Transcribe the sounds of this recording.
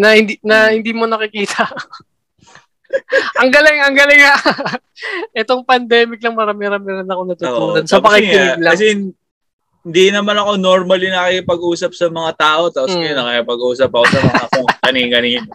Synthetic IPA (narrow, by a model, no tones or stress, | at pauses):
nɐhɪnd̪inɐhɪnd̪iːmo̞nɐkɪkiːt̪ʰɐ | ɐŋɡɐlɪŋɐŋɡɐlɪŋa | ʔɛt̪o̞ŋpɐnd̪ɛːmɪk̚lɐŋmɐɾɐmɪɾamɪɾɐnɐkonɐt̪ʊt̪ːuːlɐnsɐpɐkɪɪnɪɡlɐɐs̬ɛh | ɪnd̪inɐmanɐko̞noɾmɐlɪnɐkikɪpɐɡʔuːsɐp̚sɐmɐŋat̪aːʔo̞t̪aːposkɐjonːɐkɐkɪpɐɡʔuːsɐpɐkosɐmɐŋakoŋkɐniŋkɐniːno